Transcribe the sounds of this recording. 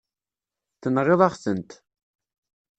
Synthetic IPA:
θənʁeðˤɑχsənt̪

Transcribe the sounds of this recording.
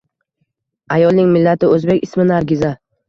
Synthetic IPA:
ajɒlˠnɪŋmɪlːat̪ʰɪɵzbekʲɪsmɪnaɾɡʲɪza

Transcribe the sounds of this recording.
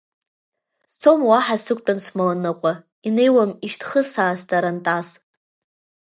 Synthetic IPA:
st͡sʰomwaħasɨkʷʼt͡pʼansmalanɨqʷʼa | ine̞jwamiʃtʰχəsaːstʼaɾantʼas

